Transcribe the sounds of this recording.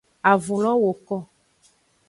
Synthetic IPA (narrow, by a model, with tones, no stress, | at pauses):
a˨vu˨lɔ̃˦wo˨kɔ˦˨